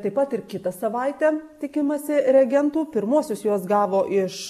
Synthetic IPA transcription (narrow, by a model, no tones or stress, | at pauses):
t̪ɐɪpɐt̪ɪrkʲɪt̪ɐsɐʋɐɪt̪ʲɛt̪ʲɪkʲɪmɐsʲɪɾʲɛɡʲɛnt̪uːpʲɪɾmuɔsʲʊsjuɔsɡɑːʋoːʔɪʃ